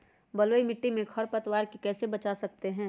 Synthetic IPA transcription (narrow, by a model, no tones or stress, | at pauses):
bɐloːimɪʈːimẽkʰɐɽpɐt̪waːɾkikɛːsebɐt͡ʃasɐk̚t̪eɦɛ̃ː